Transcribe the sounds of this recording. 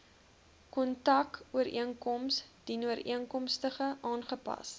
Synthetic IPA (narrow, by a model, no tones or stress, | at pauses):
kɔntɐkuəɾiəŋkɔmsd̥inuəɾʔḭəŋkɔmstəχəʔɑːnχəpɐ̰s